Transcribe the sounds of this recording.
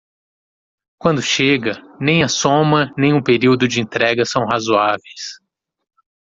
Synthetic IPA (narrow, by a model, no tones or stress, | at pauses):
kwɐ̃nd̪ʊʃeɡɐnẽj̃ɐsõmɐnẽj̃ʊpeɾiwd̪ʊd͡ʒɪẽnt̪ɾɛɡɐsɐ̃w̃ɦazuavejs